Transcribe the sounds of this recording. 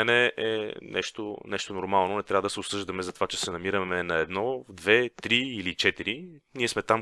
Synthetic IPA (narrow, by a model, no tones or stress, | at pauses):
ɛnɛʔɛ̰nʔɛ̰ʃt̪onɛʃt̪onoɾmalˠnonɛt̪ɾavəd̪ɐsɛʊsɤʒd̪əmɛzɐt̪ovat͡ʃɛsɛnɐmiɾəmɛnɐɛd̪nɔvd̪vɛt̪ɾiilit͡ʃɛt̪iɾiniɛsmɛt̪am